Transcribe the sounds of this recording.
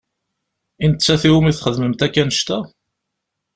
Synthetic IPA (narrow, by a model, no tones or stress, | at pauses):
int̪t͡sːæθiwumiθχəðməmt̪ækːænəʃt̪æ